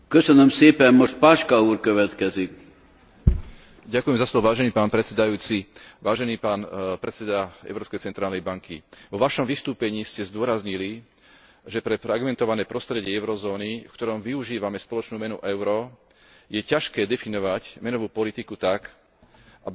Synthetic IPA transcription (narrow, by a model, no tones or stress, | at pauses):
køsənømseːpɛmmoʃt̪̚paːʃkauːɾkøʋɛt̪kɛzik | ɟakujɛmzaslɔʋɔʋaːʒɛniːpaːnpɾɛt̪t͡sɛd̪ajuːt͡siʋaːʒɛniːpaːnpɾɛt̪t͡sɛd̪aɛ̰ʊɾɔːpskɛjt͡sɛnt̪ɾaːlnɛjbaŋkḭʋɔʋaʃɔmʋist̪uːpɛɲiːscɛzd̪ʊɔɾazɲili | ʒɛpɾɛfɾaɡmɛnt̪ɔʋanɛːpɾɔst̪ɾɛɟɪɛɛʊɾɔzɔːnifkt̪ɔɾɔmʋiuʒiːʋamɛspɔlɔt͡ʃnuːmɛnṵʔɛʊɾɔ | jɛcaʃkɛːd̪ɛfinɔʋacmɛnɔʋuːpɔlit̪ikut̪ak | ʔabi